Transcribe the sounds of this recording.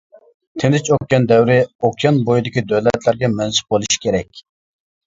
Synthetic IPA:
t̪ʰenɪt͡ʃokʲjʲɑnd̪ɛwɾɪokʲjɑnbojid̪ɪkʲid̪øwlɛt̪læɾɡʲɛmɛnsɪ̥p̚bolˠuʃi̥kʲʰeɾɛkʲ

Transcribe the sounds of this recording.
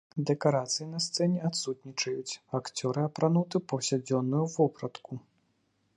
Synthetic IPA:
d̪ɛkaɾat̪sɨjinɐst̪sɛnʲɛat̪sut̪nʲit͡ʂɐjut͡sʲakt͡sʲɔɾɨapɾanut̪ɨpɐwsʲad͡zʲɔnːujuvɔpɾɐt̪ku

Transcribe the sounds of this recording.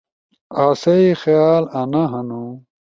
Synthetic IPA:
aːsɐixjaːlɐnɐɦɐnu

